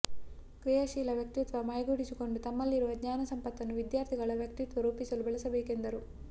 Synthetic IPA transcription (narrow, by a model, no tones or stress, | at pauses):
kɾijɐʃiːlɐʋjɐk̚t̪it̪ʋɐmɐːjɡuːɽisiko̞ɳɖut̪ɐmːɐlːiɾuʋɐɡɲaːnɐsɐmpɐt̪ːɐnːuʋid̪jaːɾt̪ʰiɡɐɭɐʋjɐk̚t̪it̪ʋɐɾuːpisɐlubɛɭɐsɐbeːke̞nd̪ɐɾu